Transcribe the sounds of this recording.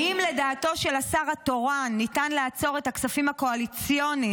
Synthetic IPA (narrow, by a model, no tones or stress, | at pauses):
imle̞daːto̞ʃe̞lasaʁato̞ʁanːitanleat͡so̞ʁetaksafimhako̞alit͡sjo̞ni